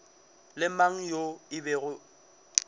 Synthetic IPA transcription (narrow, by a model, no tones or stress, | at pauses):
lɪmaŋ̩joɪbɛɣʊ